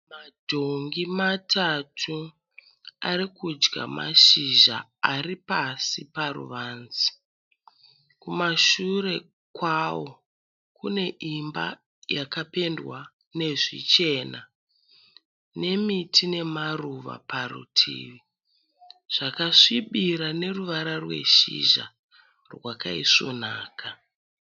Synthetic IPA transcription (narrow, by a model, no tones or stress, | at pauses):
madʱoŋɡimatʰatʰu | aɾikud͡ʒɡa̰ma̰ʃiʒa̰aripasipaɾṵʋaːnzi̥ | kumaʃure̞ | kwawo̞ | kune̞ʔimba̰ | jakape̞ndwa | ne̞ʐḭt͡ʃe̞na | ne̞mitʰine̞maruʋa̰paɾṵtʰḭːʋi | ʐ̥akaʂiɓiɾane̞ruʋaɾarwe̞̰ʃḭʒa̰ | rwakaiso̞̰naːkʰa